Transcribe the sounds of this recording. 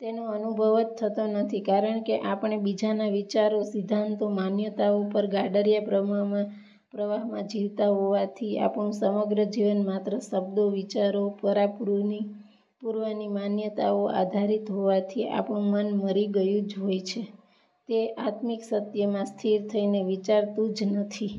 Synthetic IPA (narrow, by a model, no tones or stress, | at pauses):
t̪enoənubʱəʋət̪ʰːət̪onət̪ʰikaɾəɳkeʔapɳ̃ebid͡ʒanaʋit͡ʃaɾosid̪ʱant̪omanjət̪aupəɾɡaɖəɾjapɾəm | pɾəʋaɦmãd͡ʒiʋt̪aɦoʋat̪ʰia̰pɳ̃ũsəməɡɾəd͡ʒiʋənmat̪ɾəsəbd̪oʋit͡ʃaɾopəɾapi | puɾʋanimanjət̪aoʔa̰d̪ʱaɾit̪ɦoʋat̪ʰia̰pɳũmənməɾiɡəjũd͡ʒɦojt͡ʃʰe | t̪eʔat̪miksət̪jəmãst̪ʰiɾt̪ʰəineʋit͡ʃaɾt̪ũd͡ʒnət̪ʰi